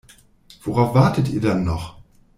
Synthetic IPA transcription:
v̥oʁaʊfv̥aɐtətiːɐdanːɔχ

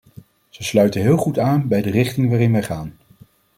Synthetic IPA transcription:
z̥əslœɥtəɦɪːlˠχutaːnbɛjdərɪχtɪŋʋaːrɪnʋɛjχaːn

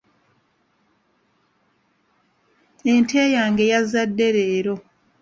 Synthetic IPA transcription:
entʰeːjaːŋɡe̞jazːadːe̞ɾeːɾo̞

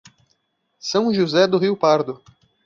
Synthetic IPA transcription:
sɐ̃w̃ʒuzɛd̪ʊɦiwpaɾd̪ʊ

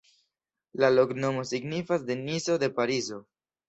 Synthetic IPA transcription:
lalo̞kno̞mo̞siɡnifasde̞niso̞de̞paɾizo̞

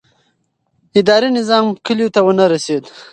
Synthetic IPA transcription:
ɪd̪ɑɾinɪzɑmkəljot̪awənaɾased̪

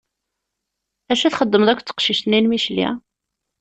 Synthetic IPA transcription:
æʃæθχəd̪ːəməðˤækʷːt͡sːə̥qʃiʃt̪əninmiʃlḭ

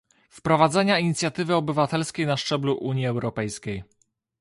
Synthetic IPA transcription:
fpɾɔvad̪zɛɲaiɲit̪sʲjat̪ɘvɘɔbɘvat̪ɛlskʲejnaʂt͡ʂɛbluʔuɲiɛwɾɔpɛjskʲej

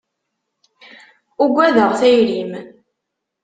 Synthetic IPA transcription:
uɡʷæðəʁθæjɾim

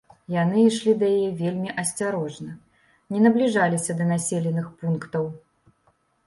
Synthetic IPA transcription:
jan̪ɨiʂlʲid̪ɐjajɛvʲelʲmʲiʔɐsʲt͡sʲaɾɔʐnɐ | nʲɛnɐblʲiʐalʲisʲɐd̪ɐnasʲelʲɛnɨxpunkt̪ɐw

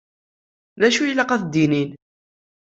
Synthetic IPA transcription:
ðæʃujlːɑqæθd̪inin

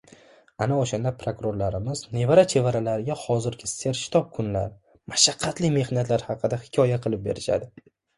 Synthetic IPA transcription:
anaoʃand̪apʰɾokɾoɾlaɾɪmɪzne̞vaɾat͡ʃʰe̞vaɾalaɾɪɡʲahɒzɪɾɡʲɪse̞ɾʃɪ̥t̪ʰɒp̚kʰʊnla̰ɾ | maʃaqʰːɑt̪lɪme̞hnat̪laɾhɑqʰɨd̪ahɪ̥kʲʰɒjaqʰɨlˠɪp̚be̞̰ɾɪʃa̰d̪ɪ

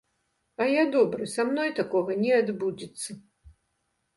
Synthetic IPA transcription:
ɐjad̪ɔbɾɨsamnɔjt̪akɔɣɐnʲɛad̪bud͡zʲit̪sːɐ

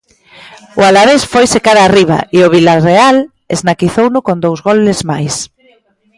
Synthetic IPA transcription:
ʊalaβesfojsekaðariβ̞a̰ʔiʊβilareal | eznakiθownʊkond̪owzɣolezmajs

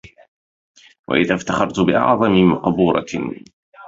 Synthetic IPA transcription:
wʔa̰ʔɪðaft̪aχɑɾˤt̪ʊbɪʔɑ̰ʕðˤɑmɪmɑqbuːɾˤɑ̰

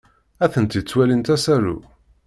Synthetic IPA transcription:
æθənt̪it͡sːwælint̪æsæɾṵ

